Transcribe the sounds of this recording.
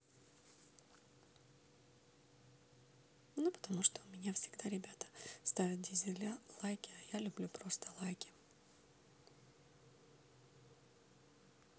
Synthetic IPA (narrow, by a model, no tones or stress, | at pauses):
nupə̥t̪ɐmuʂt̪omʲɪnʲafsʲɪ̥ɡd̪aɾʲɪbʲat̪ə̥st̪avʲɪt̪̚d̪ʲɪzʲɪlʲalˠajkʲɪajalʲʊblʲupɾo̞st̪əlˠajkʲɪ